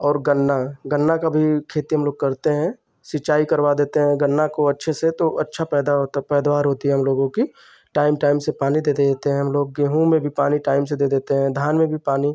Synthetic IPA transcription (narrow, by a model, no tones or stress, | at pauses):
ɔːɾɡənːaɡənːakabʱikʰeːt̪iɦɐmloːɡ̚kɐɾt̪eɦɛ̃ | sɪt͡ʃaːikɐɾwad̪eːt̪eɦɛ̃ɡənːakoɐtːʃʰeset̪oʔɐtːʃʰapɛːd̪aɦot̪pɛːd̪ʋaːɾɦoːt̪iɦɛɦɐmloːɡõki | ʈaːɪmʈaːɪmsepaːnid̪eːd̪ed̪eːt̪eɦɛ̃ɦɐmloːɡ̚ːeːɦũmẽbʱipaːniʈaːɪmsed̪eːd̪eːt̪eɦɛ̃ːd̪ʱaːnmẽbʱipaːni